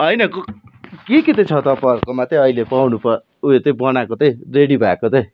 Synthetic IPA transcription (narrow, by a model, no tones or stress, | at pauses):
ʌjnʌkokeket̪ʌt͡sʰʌt̪ʌpʌrkomat̪ʌ̃ʌilepawnupʌ | uet̪ʌ̃bʌnakot̪ʌj̃reɽibʱakot̪ʌj